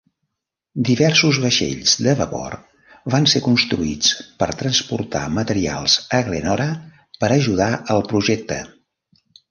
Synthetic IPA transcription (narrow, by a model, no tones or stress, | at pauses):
d̪iβɛrsuzβəʃḛʎzd̪əβəpɔ̰r | βansekunst̪ɾuit͡spəɾt̪ɾənspuɾt̪a̰mət̪əɾia̰lˠz̥əɣlḛnɔɾə | pəɾəʒuð̞aʔəlˠpɾuʒɛk̚t̪ə̰